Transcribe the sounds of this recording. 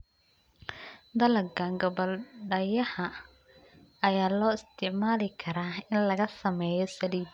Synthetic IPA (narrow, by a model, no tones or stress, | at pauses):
d̪ɐlɐkʰaŋɡɔβɐlɖɐjɐhɐ | ɐjaːlɔːɪst̪ʰɪʕmaːlɪkʰɐɾaːɪnlɐɣɐsɐmɛːjɔsɐliːd̪